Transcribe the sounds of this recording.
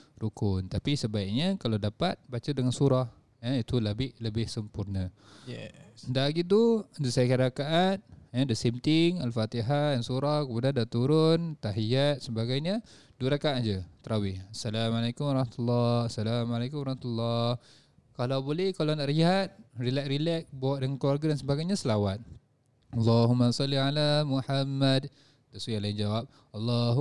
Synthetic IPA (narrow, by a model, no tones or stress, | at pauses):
rukʊnt̪apisəbaik̚ɲəkalawdapat̪̚bat͡ʃədəŋansuɾah | əit̪uləbɪhləbɪhsəmpurnə | daɡit̪̬ud̪usajakəɾakaʔat̪̚ədasimt̪ɪŋalfat̪iɦadansuɾahkəmudandaʔt̪uɾʊnt̪aɦijat̪̚səbaɡajɲə | duəɾakaʔd͡ʒət̪əɾawɪhasːalamalakumwaɾˤɑhmat̪ulːɑsalamalakumɾˤɑhmat̪ulːɑh | kalawbolɛhkalanaʔriɦat̪̚rilɛk̚rilɛk̚bawaʔdəŋankluwarɡadansəbaɡajɲasəlawat̪̚ | ɑlːɑɦumːasɑlːiʕalamuħamːad | t̪aswijalaɪnd͡ʒawap̚ | ɑlˤːɑɦ